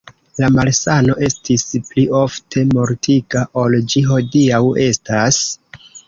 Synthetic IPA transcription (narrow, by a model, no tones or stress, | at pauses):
lamalsano̞ʔe̞stisplio̞ftʰe̞mo̞ɾtʰiɡaʔo̞ld͡ʒiɦo̞diawe̞stas